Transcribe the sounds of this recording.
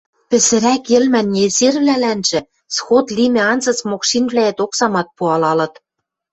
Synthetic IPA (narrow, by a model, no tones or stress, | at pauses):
pɘ̆sɘ̆ɾækĕlmænːezerβlælænʒ̥ɘ̆ | sxot̪limʲĕɑnzɤ̆t͡smokʃinvβlæĕt̪oksɑmɑt̪̚puɑlɑlɤ̆t̪